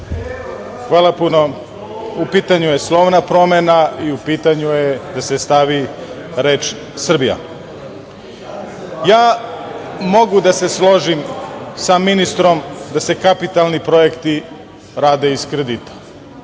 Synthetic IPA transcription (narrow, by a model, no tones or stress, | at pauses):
xʋaːlˠapuno̞ | upiːt̪aɲujeslˠo̞ʋnapɾo̞menaiupiːt̪aɲujed̪ase̞st̪aʋi | ɾe̞ːt͡ʃ | sr̩bija̰ | jaː | mo̞ɡud̪ase̞slˠo̞ʒimsaminist̪ɾo̞md̪ase̞kapit̪alˠnipɾo̞je̞kt̪i | ɾaːd̪e̞iskɾed̪it̪ḁ